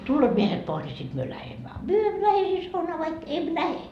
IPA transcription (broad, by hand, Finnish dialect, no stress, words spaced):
tulːoːt miehet pois nʲi sit myø læhemːæ ɑ myø emːø læhe hei sɑunɑː ʋɑik em læhe